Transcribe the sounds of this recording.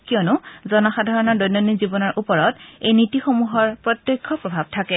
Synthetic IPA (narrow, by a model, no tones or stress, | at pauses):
kiɔnʊzɔnɔxadʱaɹɔnɔɹdojnːonizibɔnɔɹʔupɔɹɔtejnitixomuɦɔɹpɹɔt̪jɔkʰːɔpɹɔbʱab̚tʰakɛ